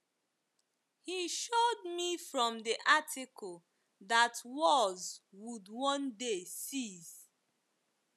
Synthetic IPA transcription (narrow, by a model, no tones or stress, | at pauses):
hiʃod̚mifɹɔ̃mdiʔatʰikʰɔl | datwɔzwudwɔ̃ndesiz̥